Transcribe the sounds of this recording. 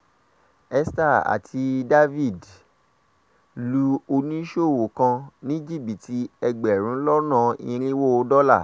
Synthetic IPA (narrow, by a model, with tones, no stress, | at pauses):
ɛ˧sta˦˨a̰˨tʰi˧da˦vi˦˨d | lu˧o˧nĩ˦ʃo˦˨wo˨kã˧nĩ˦d͡ʒi˦˨bi˨ti˧ɛ˧ɡ͡bɛ˨ɾ̃ũ˨˦lɔ˦nã˦˨ḭ̃˧ɾ̃ĩ˦wo˦o˧˦dɔ˦la˦˨